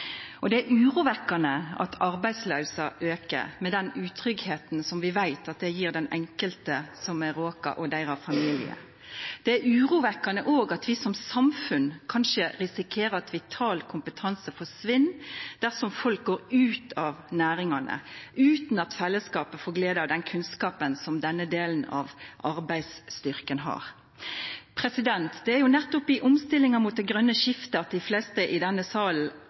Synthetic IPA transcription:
ʔɔd̪ɛæɾʉːʁuːʋɛkːɑnəʔɑ̰t̪ʰɑɾbæɪsløʉsɑʔøːkə̰mɛd̪ɛnʉːt̪ʰɾʏɡheːt̪n̩sɔmʋɪʋæɪt̪ɑt̪̚d̪ɛjiːʁd̪ɛnɛŋkəlt̪əsɔmæɾoːkɑ̰ʔɔd̪æɪɾɑfɑmiːlɪ̰ə̰ | d̪̥ɛæɾʉːɾuːʋɛkːɑnəʔoːɡɑt̪ʋɪsɔmsɑmfʉnkʰɑnʂəɾɪsɪkʰeːɾəɑt̪ʋɪt̪ʰɑːlkʰʊmpət̪ʰɑnsəfɔʂʋɪnːd̪̥æʁsɔmfɔlk̚ɡoːɾʉːt̪ʰɑʋnæːɾɪŋɑnə̰ʔʉːt̪nɑt̪fɛlːəskɑːpəfɔɡleːd̪əɾd̪ɛnkʰʉnskɑːpənsɔmd̪ɛnːəd̪eːln̩ɑ̰ʋʔɑɾbæɪd̪st̪ʏɾkənɦɑ̰ʁ | pʰɾɛsɪd̪ɛnt̪d̪ɛæɾjʊnɛt̪ːʊpɪʔɔmst̪ɪlːɪŋəmuːt̪̚d̪ɛɡʁœnːəʃɪft̪əɑt̪̚d̪ɪflɛst̪əʔɪd̪ɛnːəsɑːln̩

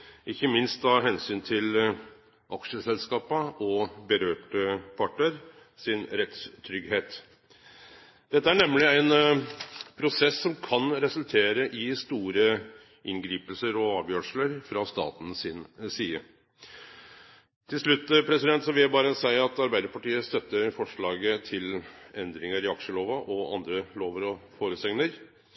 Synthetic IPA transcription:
ʔɪçːəmɪnst̪ɑɦɛnsyːnt̪ʰɪl | ʔɑkʂəsɛlskɑːpəʔɔbəɾøːʈəpʰɑʈːəɾ | sɪnɾɛt̪st̪ʰɾʏɡheːt̪ | d̪̥ɛt̪ːəæɳɛmːlɪæɪn | pʰɾʊsɛsːɔmkʰɑnɾɛsʉlt̪ʰeːɾəʔɪst̪uːɾə | ʔɪnɡɾiːpəlsəɾɔɑːʋjøːʂləɾfɾɑst̪ɑ̰ːt̪n̩sɪnsiːə | t̪ʰɪlsɭʉt̪ːpʰɾɛsɪd̪ɛnt̪sɔʋɪljæbɑːɾəsæɪɑt̪ɑɾbæɪd̪əɾpɑʈiːəst̪œt̪ːəɾfɔʂɭɑːɡət̪ʰɪlɛnd̪ɾɪŋəɾɪɑkʂəloːʋɑʔɔɑ̰nd̪ɾəloːʋəɾɔfoːɾəsɛŋnəɾ

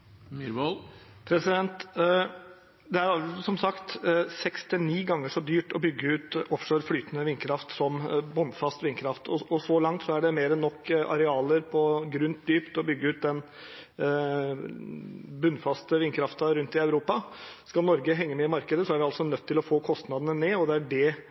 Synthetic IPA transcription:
pʰɾɛsɪd̪ɛnt̪ | d̪ɛæɾɑsɔmsɑkt̪sɛkst̪ɪniːɡɑŋːəʂɔd̪yːʈɔbʏɡːəʉːt̪ɔfʂøːɾflyːt̪ənəʋɪnkʰɾɑft̪sɔmbɔnfɑst̪ʋɪnkʰɾɑft̪ɔɔsɔlɑŋt̪sɔæɖɛmeːɾɛnːɔkːʔɑ̰ɾɛɑːləɾpʰɔɡɾʉnt̪̚d̪yːpt̪ɔbʏɡːəʉːt̪̚d̪ɛn | bʉnːfɑst̪əʋɪnkʰɾɑft̪əɾʉnt̪ɪɑʉɾuːpɑskɑlnɔɾɡəɦɛŋːəmɛɪmɑɾkəd̪əsɔæɾʋɪɑlsɔnœt̪ʰːɪlɔfoːkʰɔst̪nɑd̪ənəneːɔd̪ɛæɖɛ

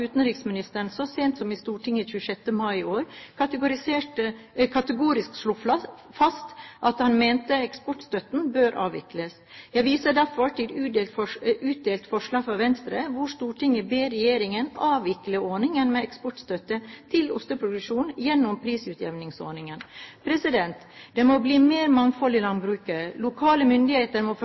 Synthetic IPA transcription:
ʉːt̪ən̩ɾɪːksmɪnɪst̪əɳsɔseːnt̪sɔmɪst̪uːʈʰɪŋːəçʉːəʂɛt̪ːəmɑɪoːɾkʰɑt̪əɡʊɾɪseːʈəkʰɑt̪əɡuːɾɪsksluːflɑ | fɑst̪ʔɑt̪hɑnmeːnt̪əɛkspɔʈst̪œt̪n̩bøːɾʔɑ̰ːʋɪ̰kləs | jæɪʋiːsəɖ̪æɾfɔʈ̪ʰɪlʉːd̪eʉːt̪̚d̪eːlt̪fɔʂɭɑːɡfɾɑʋɛnst̪ɾəʋʊʂt̪uːʈʰɪŋəbeːɾɛjeːɾɪŋənɑːʋɪkləɔːnɪŋɛnmɛɛkspɔʈst̪œt̪ət̪ʰɪlʊ̰st̪əpʰɾʊɡ̪ɾəʂuːnjɛnːʊmpʰɾiːsʉːt̪jɛʋnɪŋso̰ːnɪŋənpʰɾɛsɪd̪ɛnt̪ | d̪̥ɛmɔbliːmeːɾmɑŋfɔlɪlɑnbɾʉːkəlʊkʰɑːləmʏnd̪ɪheːt̪əɾmɔf

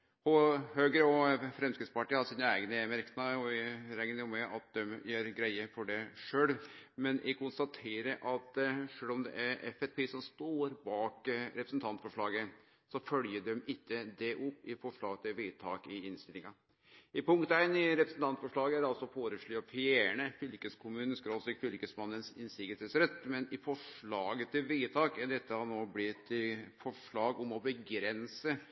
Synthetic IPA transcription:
ɔhøːɡəɾəɔfɾɛmskɾɪt̪spɑʈiːhɑsiːnəæɪɡənəɛmæɾknɑɔɪɾɛɡənəʊmɛɑt̪̚d̪ɛmjeːɾɡɾæɪəfɔɖɛʂøːlmɛnʔɪkʰʊnst̪ɑt̪ʰeːɾəʔɑt̪ʂøːlɔmd̪ɛ̰ʔæɾɛfɛfpʰeːsɔmst̪oːɾbɑːkɾɛpɾəsən̩t̪ʰɑnt̪fɔʂɭɑːɡə | sɔfœljəɖɛmɪtːəd̪ɛʔʊpːɪfɔʂɭɑːɡət̪ʰɪlʋiːt̪ʰɑ̰ːkɪɪnst̪ɪlɪŋɑ | ɪpʊŋkt̪æɪnɪɾɛpɾəsnt̪ʰɑnt̪fɔʂɭɑːɡəædɑlsɔfoːɾəʂɭyːɑfɪeːɳəfɪlkəskʰʊmʉːnəskɾoːsɪkfɪlkəsmɑnːənsɪnsɪɡət̪ɛsɾɛt̪ːmɛnɪfɔʂɭɑːɡət̪ʰɪlʋiːt̪ʰɑːkæd̪ɛt̪ːəhɑnoːblɪt̪ːɪfɔʂɭɑːɡɔmɔbəɡɾɛnsə

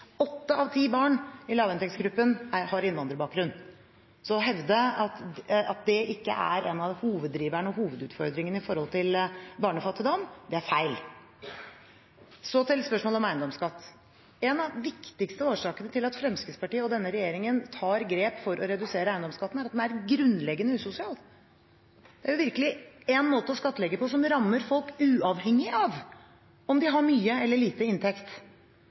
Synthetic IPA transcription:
ɔt̪ːəɑʋt̪ʰiːbɑːɳɪlɑːʋɛnt̪ɛkt̪sɡɾʉpːənæhɑɾɪnʋɑnd̪ɾəbɑːk̚ɡɾʉnː | sɔɦɛʋd̪əɑt̪ɑt̪̚d̪ɛʔɪkːə̰ʔæ̰ɾʔɛnɑhuːʋəd̪ːɾiːʋæɳɔhuːʋəd̪ʉːt̪fɔɾd̪ɾɪŋənəɪfɔɾhɔlt̪ʰɪlbɑːɳəfɑt̪ʰːəd̪ɔmd̪ɛæɾfæɪl | sɔt̪ʰɪlspœʂmoːlɔmæɪənd̪ɔmskɑt̪ː | ɛnɑʋːɪkt̪ɪkst̪əoːʂɑːkənət̪ʰɪlɑt̪fɾɛmskəspɑʈiːəɔd̪ɛnːəɾɛjeːɾɪŋənt̪ʰɑːɾɡɾeːpfɔɾʔɔɾɛd̪ʉseːɾəæɪənd̪ɔmskɑt̪ːn̩æɾɑt̪mɛnæɾɡɾʉnlɛɡənəʉːsʊsɪɑːl | d̪ɛæɾjʊʋɪɾkəlɪɛnmoːt̪əɔskɑt̪ːlɛɡːəpʰɔsɔmɾɑmːəɾfɔlkʉːɑʋhɛŋːɪɑʋ | ɔmd̪ɪɦɑɾmyːəɛlːəɭiːt̪əɪnt̪ʰɛkt̪

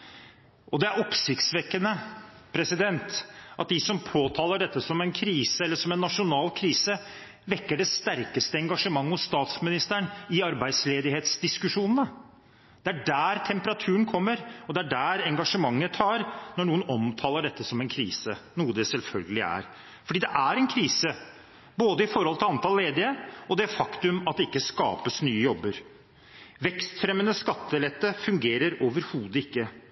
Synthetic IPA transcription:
ɔd̪ɛæɾɔpsɪkt̪sʋɛkːənə | pʰɾɛsɪd̪ɛnt̪ʔɑ̰t̪̚d̪ɪsɔmpʰoːt̪ʰɑːləɖɛt̪ːəsɔmɛnkʰɾiːsəɛlːəʂɔmɛnːɑʂʊnɑːlkʰɾiːsə | ʋɛkːəɖɛst̪æɾkəst̪əɛŋɡɑʂəmɑŋːəhʊsst̪ɑːt̪smɪnɪst̪əɳɪɑɾbæɪd̪sleːd̪ɪheːt̪sd̪ɪskʉʂuːnənə | d̪̥ɛæɖæːɾt̪ʰɛmpəɾɑt̪ʰʉːənkʰɔmːəɾɔd̪ɛæɖæːɾɛŋɡɑʂəmɑŋːət̪ʰɑːɾnɔɳuːənɔmt̪ʰɑːləɖɛt̪ʰːəsɔmɛɪnkʰɾiːsənuːəd̪ɛsɛlfœlɡəlɪæ̰ɾ | fɔɖiːd̪ɛʔæɾɛnkʰɾiːsə | boːd̪əɪfɔɾhɔlt̪ɪlɑnt̪ʰɑːllːeːd̪ɪəɔd̪ɛfɑkt̪ʉmɑt̪̚d̪ɛɪkːəskɑ̰ːpəsnyːəjɔbːəɾ | ʋɛkst̪fɾɛmːənəskɑt̪ːəlɛt̪ːəfʉŋɡeːɾəɾoːʋəɾhuːd̪əɪkːə

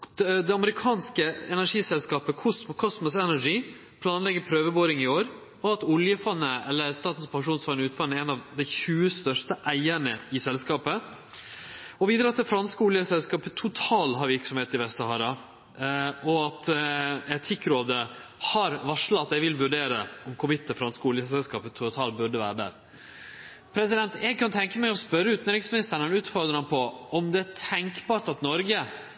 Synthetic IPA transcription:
d̪ɛɑməɾɪkʰɑːnskəɛnæʂiːsɛlskɑːpəkʰʊskʰɔsmʊsɛnæʂiː | pʰlɑːnlɛɡəpʰɾøːʋəboːɾɪŋɪoːɾ | ɔɑt̪ʊljəfɑnːəɛlːəɾst̪ɑːt̪n̩spʰɑŋʂuːnsfɑnəʉːt̪fɑnəɛnɑʋd̪ɛɪçʉːəst̪œʂtəʔæɪæɳəɪsɛlskɑːpə | ɔʋiːd̪ɾət̪ːd̪ɛfɾɑnskəʊljəsɛlskɑːpət̪ʰʊt̪ʰɑːlɦɑɾʋɪɾksɔmheːt̪ɪʋɛsɑhɑːɾɑ | ɔɑt̪ɛt̪ʰɪkːɾoːd̪əhɑɾʋɑʂlɑɑt̪ɛʋɪlʋʉɖeːɾəɔmkʰʊʋɪt̪ːəfɾɑnskəuːlɪəsɛlskɑːpət̪ʰʊt̪ʰɑːlbʉɖəʋæ̰ːɾəd̪æ̰ːɾ | pʰɾɛsɪd̪ɛnt̪jɛɡ̚kɑnt̪ʰɛŋkəmæɪɔspœɾːəʉːt̪nɾɪŋsmɪnɪst̪əɳənʉːt̪fɔɾd̪ɾɑŋpʰɔɔmd̪ɛæʈʰɛŋkbɑːɾʈ̪ɑt̪nɔɾɡə

